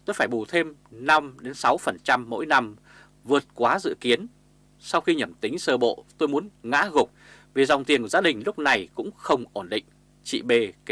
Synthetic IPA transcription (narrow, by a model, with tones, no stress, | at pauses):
t̪o˧jfaː˧˩jɓu˧˩t̪ʰe˧mna˧mɗe˨˦nsa˨˦wfə˨˩nt͡ɕa˧mːo̰˧˥jna˧m | vɨ˨˩ət̚kwaː˨˦zɨ̰˧˨ki˨˦ən | sa˧wxi˧ɲə˨˧˩mt̪ï˨˦ŋ̟səː˧ɓo̰˧˨t̪o˧jmu˨˦ənŋa̰ː˧˥ɣʊ˨˩k͡p̚ | vi˨˩za˨˩wŋ͡mt̪i˨˩ənkwzaː˨˦ɗï˨˩ŋ̟lʊ˦˥k͡p̚na˨˩jkʊ̰˧˥ŋ͡mxə˧wŋ͡mʔo˧˩nɗḭ̈˧˨ŋ̟ | t͡ɕḭ˧˨ɓe˧˩k